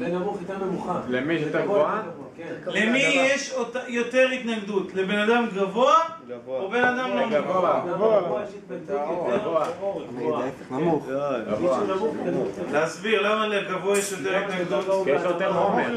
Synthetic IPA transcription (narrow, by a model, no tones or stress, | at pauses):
t̪muχalemiʃt̪aɡoa | lemijeʃot̪ajo̞t̪e̞ʁit̪naɡd̪ut̪lebe̞nad̪amɡavoaobe̞nad̪amlomvoaoa | voaɡoa | muvuuleazbiʁlamaleɡavoajeʃjot̪eʁit̪naɡd̪uteot̪eʁomeʁ